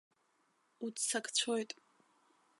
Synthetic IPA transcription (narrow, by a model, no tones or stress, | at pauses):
udsakʰʼt͡sʷʰojtʼ